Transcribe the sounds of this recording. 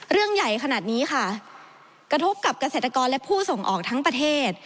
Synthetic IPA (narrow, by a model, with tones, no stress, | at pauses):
ɾɯ˥˩əŋja˨˩jkʰa˧naː˨˩t̪̚niː˦˥xa˥˩ | kɾa˧t̪ʰo˦˥p̚ka˨˩p̚ka˧se˨˩t̪ːa˧kɔː˧nlɛ˦˥pʰuː˥˩so˨˩ŋʔɔː˨˩k̚t̪ʰa˦˥ŋpɾa˧t̪ʰeː˥˩t̪̚